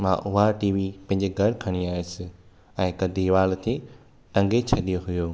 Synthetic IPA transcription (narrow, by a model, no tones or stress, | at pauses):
mã̰ʔʊɦaʈiːʋipɐ̃ɦɪ̃ɲd͡ʑeɡʱɐɽkʰɐɽ̃iaːesɪ | ɛ̃ːkɐd̪ʱiʋaːlt̪ʰe | ʈɐ̃ŋɡet͡ɕʰɐɗijoɦʊjoː